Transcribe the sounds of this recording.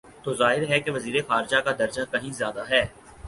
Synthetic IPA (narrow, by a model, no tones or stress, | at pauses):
t̪oːzaːɦɪɾɦɛkeʋɐziːɾexaːɾd͡ʒakad̪ɐɾd͡ʒakɐɦĩzjaːd̪aɦɛː